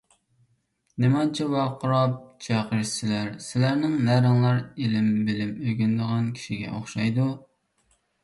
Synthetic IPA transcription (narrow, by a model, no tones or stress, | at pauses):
nemɑnt͡ʃʰɛwɑqʰəɾɑp̚t͡ʃʰɛqəɾsɪlæɾsɪlæɾnɪŋnæɾɨŋlˠɑɾelɪmbɪlɪmøɡʲynd̪əʁɑnkʲʰi̥ʃiɡʲɛ̰ʔoχʃɑjd̪u